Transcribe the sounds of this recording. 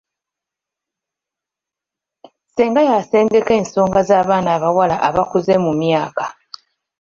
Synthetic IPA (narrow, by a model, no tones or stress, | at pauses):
seːŋɡajase̞ːnde̞ke̞ːnso̞ːŋɡazaːβaːnaːβawalaʔaβakuze̞mumjaːkḁ